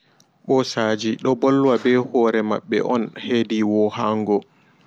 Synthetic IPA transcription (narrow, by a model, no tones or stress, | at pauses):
ɓɔsaːd͡ʒiɗɔbɔlːwabɛhɔɾɛma̰ɓːɛ̰ʔɔnheːdiwɔhaŋɡɔ